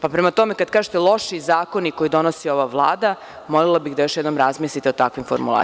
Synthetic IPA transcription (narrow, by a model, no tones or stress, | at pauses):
papɾemat̪o̞me̞kad̪kaːʒet̪elˠo̞ʃizaːko̞niko̞jid̪o̞nosio̞ʋaʋlˠa̰ːd̪a | mo̞lelabiɣd̪ajo̞ʃjɛd̪no̞mɾazmislit̪eot̪akʋimfo̰ɾmṵlˠa̰ː